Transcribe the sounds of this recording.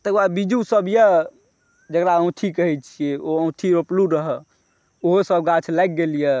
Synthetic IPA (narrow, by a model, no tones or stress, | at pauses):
t̪əɡbaɾbid͡ʒusəbjə | d͡ʒəkɾaə̃w̃t̪ʰikəɦɛt͡ʃʰijeoə̃w̃t̪ʰiɾopluɾəɦə | oɦosəbɡat͡ʃʰlajk̚ɡelije